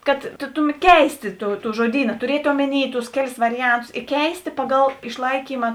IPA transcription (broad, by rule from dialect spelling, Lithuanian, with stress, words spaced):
kɐt tʊ ˈtʊˌmʲɛt ˈkʲɛɪsʲtʲeː ˈtuː ˈtuː ʒuɔˈdʲiːnɐ tʊˈrʲiɛtʲ ˈoːmʲɛˌnʲiː tʊs ˈkʲæːˌlʲɪs ˈʋɑːrʲɪˌjɛntʊsʲɪ ɪ ˈkʲɛɪsʲtʲeː pɐɡɐlˠ ɪʃʲlˠɐɪkʲiːmɐ